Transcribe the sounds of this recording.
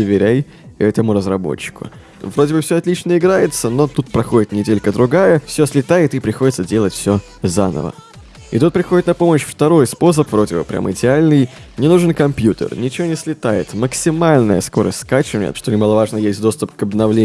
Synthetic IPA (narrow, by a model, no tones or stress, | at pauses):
əvʲɪɾʲej | ɛt̪əmʊɾəzɾɐbo̞̰t͡ɕːɪ̥kʊ̰ | vɾo̞dʲɪbɨfsʲoɐt̪lʲit͡ɕnəɪɡɾajɪt̪səno̞t̪ut̪̚pɾɐxo̞dʲɪt̪nʲɪdʲelʲkəd̪ɾʊɡajəfsʲoslʲɪt̪ajɪt̪ɨpɾʲɪxo̞dʲɪt̪sədʲe̞lˠətʲfsʲo | zanə̰və̰ | ɪ̰t̪ut̪̚pɾʲɪxodɪt̪nɐpo̞məɕft̪ɐɾo̞jspo̞s̬əpvɾo̞dʲɪbə̰pɾʲʔa̰mɪdʲɪalʲnɨj | nʲɪnuʐɨnkɐmpʲjut̪ə̰rnʲɪt͡ɕɪvʲonʲɪslʲɪt̪ajɪ̰t̪məksʲɪmalʲnəjəsko̞ɾə̰sʲt̪ʲskat͡ɕɪnʲḛʂt̪onʲɪmalˠəvaʐnəjesʲtʲd̪o̞st̪ʊpkəbnɐvlʲe